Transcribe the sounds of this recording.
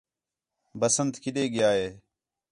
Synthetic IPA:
bəsənt̪kɪɗeːɡɪjaːɦeː

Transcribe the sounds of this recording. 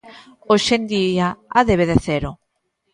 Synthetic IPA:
oʃend̪iaaðeβ̞eðeθeɾo

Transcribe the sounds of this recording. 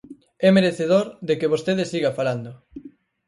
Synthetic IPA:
ɛmeɾeθeðoɾðekeβ̞ost̪eðɪsiɣafaland̪ʊ

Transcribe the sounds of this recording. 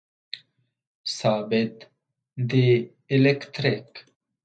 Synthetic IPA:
saːbed̪ | d̪iː | lekt̪ɾik

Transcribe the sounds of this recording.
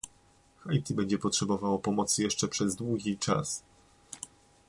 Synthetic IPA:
xajt̪ibɛɲd͡ʑɛpɔtʂɛbɔvawɔpɔmɔt̪sɘjɛʂt͡ʂɛpʂɛzd̪wuɡʲit͡ʂa̰s

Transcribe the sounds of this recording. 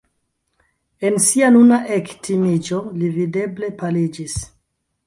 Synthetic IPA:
ensianunaʔektʰimid͡ʒo̞livide̞ble̞palid͡ʒis

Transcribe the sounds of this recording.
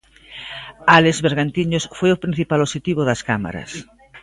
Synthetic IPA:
alezβeɾɣant̪iɲosfojopɾĩn̟θipaloʃet̪iβoðaskama̰ɾɐ̰s

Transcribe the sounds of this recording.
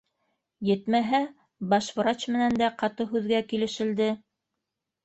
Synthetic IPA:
jɘ̆t̪mæɦæ | bɑʃfɤ̆ɾɑt͡ɕmɘ̆nænd̪æqɑt̪ɤɦʉðɡækilɘ̆ʃɘ̆ld̪ɘ

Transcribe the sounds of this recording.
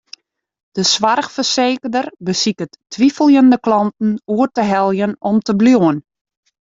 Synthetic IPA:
d̥əsʋarxfərseːkərdərbəsikətʰː | ʋifəlˠjəndəklɑntn̩uərtəɦɛlˠjənɔmtəbljoən

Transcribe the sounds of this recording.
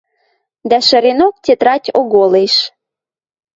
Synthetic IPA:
d̪æʃə̆ɾenok̚tʲet̪ɾɑtʲoɣoleʃ

